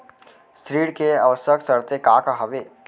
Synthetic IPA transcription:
sɾiːɽkeɐʋəsəksəɽt̪ekaːkaɦɐʋe

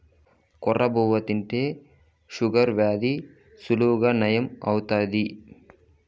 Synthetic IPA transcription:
kɔrːʔɐboːʋɐt̪iɳʈeː | ʃuɡɐɾʋjaːd̪i | suluːɡɐnɐjɐmɐwt̪aːd̪i

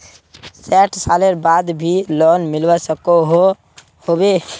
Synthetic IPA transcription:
sɛʈʰsaleɾbad̪bʱilonmilwɛsəkoɦo | hobe

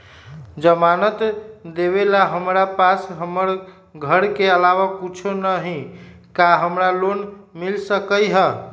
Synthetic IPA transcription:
d͡ʒəmanət̪d̪eβelaɦəmɾapasɦəməɾ | ɡʱəɾkeəlaʋakut͡ʃʰonəɦĩ | kaɦəmɾalonmilsəkəjɦə

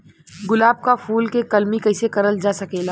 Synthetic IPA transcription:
ɡʊlaːb̚kafʰuːlkekɐlmikɐɪsekɐɾəld͡ʒaːsɐkeːlaː

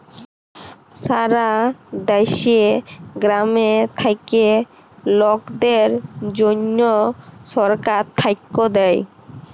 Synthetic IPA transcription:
saɾad̪ajʃeɡɾamet̪ʰajke | lɔkd̪eɾd͡ʑonːoʃɔɾkaɾt̪ʰːajkːod̪ɛj

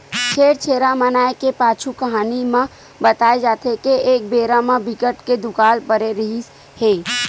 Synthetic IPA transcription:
t͡ʃʰeɾt͡ʃʰeɾamənaekepat͡ʃʰukəɦanimẽ | bət̪aed͡ʒat̪ʰekeek̚beɾamebʱikəʈked̪ukalpəɾeɾəɦis | he

